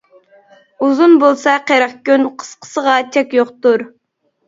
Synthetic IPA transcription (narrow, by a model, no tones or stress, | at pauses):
uzunbolˠsɑqeɾɑχkʲynqʰə̥sqʰə̥səʁɑt͡ʃʰɛkʲjoqt̪uɾ